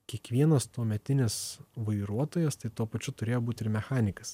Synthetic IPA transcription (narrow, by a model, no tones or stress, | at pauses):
kʲiɛkʋʲiɛnɐst̪uɔmʲɛt̪ʲɪnʲɪsʋɐɪɾuɔt̪oːjɛst̪ɐɪt̪uɔpɐt͡ʃʲʊt̪ʊɾʲeːjoːbuːt̪ʲɪɾmʲɛxɑːnʲɪkɐs